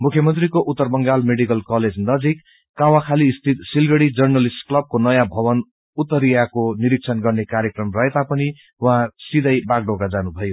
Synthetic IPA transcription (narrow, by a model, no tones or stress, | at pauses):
mukʰjʌmʌnt̪rikoʔut̪ːʌrbʌŋɡalmeɽikʌlkʌled͡znʌd͡zikː | awakʰaliːst̪ʰit̪silɡʌɽid͡zʌrnʌlisʈklʌb̚konʌjãbʱʌbʌn | ut̪ːʌɾijakoniɾik̚t͡sʰʌnɡʌrnekaɾjekrʌmrʌet̪apʌni | wɦãsid̪ʌjbaɡɖoɡad͡zanubʱʌjo